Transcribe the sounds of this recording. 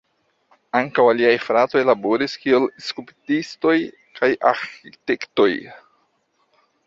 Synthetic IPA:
aŋkawaliajfɾat̪o̞jlaboɾiskielskɾupitisto̞j | kʰajʔa̰ɾxitekto̞j

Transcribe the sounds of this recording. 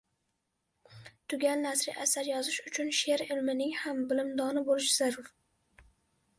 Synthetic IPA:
t̪ʰʊɡʲannasɾɪ̰ʔasaɾjɒzɪʃʊt͡ʃʰʊnʃe̞ɾɪlmɪnɪŋhambɪlɪmd̪ɒnɪbolɪʃz̥aɾʊɾ

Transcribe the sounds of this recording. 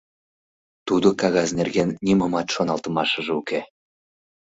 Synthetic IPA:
t̪ud̪okɑɣɑznerɣenːiməmɑt̪ʃonɑlt̪əmɑʃəʒeuke

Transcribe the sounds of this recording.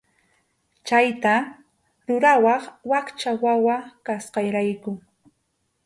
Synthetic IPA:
t͡ʃajt̪a | ɾʊɾawɑχwakt͡ʃawawakasqɑjɾajkʊ

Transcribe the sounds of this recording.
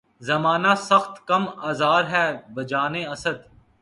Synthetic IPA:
zɐmaːnasɐxt̪kɐmaːzaːɾɦɛːbɐd͡ʒaːnẽɐsəd̪

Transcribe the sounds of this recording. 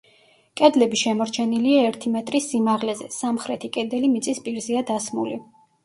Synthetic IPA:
kʼɛd̪lɛbiʃɛmɔɾt͡ʃʰɛniliaɛɾt̪ʰimɛt̪ʼɾisːimaʁlɛzɛ̰samχɾɛt̪ʰikʼɛd̪ɛlimit̪sʼispʼiɾziad̪asmṵli

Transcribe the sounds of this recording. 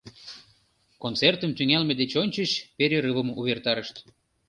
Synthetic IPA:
kont͡sert̪əmt̪yŋælmed̪et͡ɕonʲt͡ɕət͡ɕpeɾeɾɨβə̆muβert̪ɑɾəʃt̪

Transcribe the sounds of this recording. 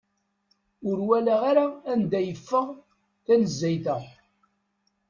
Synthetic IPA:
ʊɾwælæaɾaːnd̪æjəfːəʁ | θænəzːæjθə

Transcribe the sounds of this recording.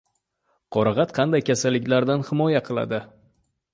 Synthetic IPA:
qʰɒɾɨʁɑt̪qʰɑnd̪ajkʲʰasalːɪkʲlaɾd̪anhɪmɒjaqʰɨlˠa̰d̪ɪ

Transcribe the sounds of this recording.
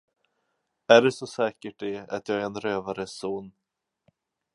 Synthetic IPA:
æɖɛsɔsɛːkəʈ̚d̪ɛa̰t̪jɑːɡæɾɛnɾøːvaɾəsoːn

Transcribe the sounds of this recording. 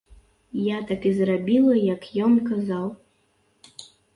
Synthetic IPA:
jat̪akizrabʲilˠɐjɐkjɔnkazaw

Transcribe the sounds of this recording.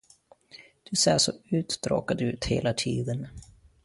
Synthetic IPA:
d̪̥ɵseːʂɔʉ̟ːt̪d̪ɾo̰ːkad̪ʉ̟ːt̪heːlat̪ʰiːd̪ən

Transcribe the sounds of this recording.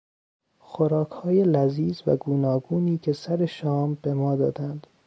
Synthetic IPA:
xoɾɒːkʰhɒːjelæziːzvæ̰ɡuːnɒːɡuːniːcʰe̞sæɾeʃɒːmbe̞mɒːd̪ɒ̰ːd̪ænd̪̥

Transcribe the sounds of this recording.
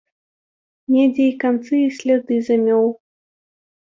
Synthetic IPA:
mʲɛd͡zʲɛjkant̪sɨisʲlʲad̪ɨzamʲɔw

